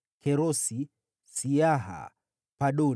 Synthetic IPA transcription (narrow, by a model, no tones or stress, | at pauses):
kʰɛɾosi | sijaɦa̰ | paɗo